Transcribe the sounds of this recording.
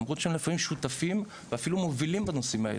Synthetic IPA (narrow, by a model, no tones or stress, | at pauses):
mʁut̪ʃeemlefamimʃut̪afim | veafilumovilimbanosimaḛ